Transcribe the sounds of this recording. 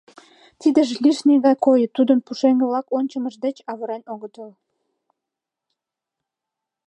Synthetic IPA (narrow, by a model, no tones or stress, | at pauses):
t̪id̪ə̆ʒliʃneɣɑjkojət̪ːud̪ənpuʃeŋɡəβlɑkonʲt͡ɕəməʒd̪et͡ɕɑβɤɾɑnʲoɣət̪əl